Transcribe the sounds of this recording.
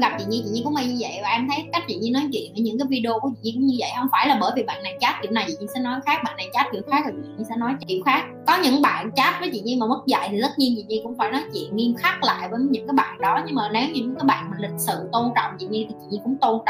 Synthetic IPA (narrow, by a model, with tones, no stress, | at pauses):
ɣa˨˩p̚t͡ɕḭ˧˨ɲi˧t͡ɕḭ˧˨ɲi˧kʊ̰˧˥ŋ͡mma˧˩ɲɨ˧və̰˧˨jvaː˨˩ʔɛ˧mt̪ʰə˨˦jka˦˥k̟̚t͡ɕḭ˧˨˩ɲi˧nɔ˨˦jt͡ɕwḭ˧˨ənʔəː˧˩ɲɨ̰˧˥ŋkaː˨˦vi˧ɗi˧o˧ku˧˨˦t͡ɕḭ˧˨ɲ˧˩kʊ̰˧˥ŋ͡mɲɨ˧və̰˧˨jhə˧wŋ͡mfaː˧˩jlaː˨˩ɓəː˧˩jvi˨˩ɓa̰ː˧˨nːa˨˩jt͡ɕaː˦˥t̚kḭ˧˩əwna˨˩t͡ɕḭ˧˨˩ɲi˧nsɛ̰˧˥nɔ˨˦jxaː˦˥k̚ɓaː˧˨nːa˨˩jt͡ɕaː˦˥t̚ki˧˩əwxaː˦˥k̚zə˨˩t͡ɕḭ˧˨˧ɲi˧sɛ̰˧˥nɔ˨˦jkḭ˧˨əwxaː˦˥k̚kɔ˨˦ɲɨ̰˧˥ŋɓa̰ː˧˨nt͡ɕaː˦˥t̚vəː˨˦jt͡ɕḭ˧˨ɲi˧maː˨˩mə˦˥t̚za̰˧˨jt̪ʰi˨˩zə˦˥t̚ɲi˧nt͡ɕḭ˧˨ɲi˧kʊ̰˧˥ŋ͡mfaː˧˩jnɔ˨˦jt͡ɕwḭ˧˨ənŋi˧mxa˦˥k̚la̰ː˧˨jvəː˨˦jɲɨ̰˧˥ŋkaː˨˦jɓa̰ː˧˨nɗɔ˨˦ɲɨ˧ŋmaː˨˩ne˨˦wɲɨ˧ɲɨ˧˥ŋkaː˨˦jɓa̰ː˧˨nm˨˩nlʰï˨˩k̚sɨ̰˧˨t̪o˧nt͡ɕɔ̰˧˨wŋ͡mt͡ɕḭ˧˨ɲi˧t̪ʰi˨˩t͡ɕḭ˧˨ɲi˧kʊ̰˧˥ŋ͡mt̪o˧nt͡ɕɔ̰˧